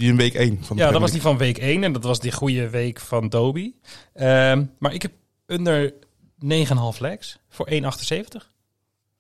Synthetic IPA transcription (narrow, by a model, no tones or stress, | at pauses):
iənʋejkejnfnjaːdɔtʋɑsdifɑnnʋejkejnɛndɑtʋɑsdəχujəʋejkfɑndoːbiəmaːɹɪkɦɛp̚ | øndəɹ | nejχəənɦɑlˠflɛks | fʊːɹʔejnɑχtənsejvəntəχ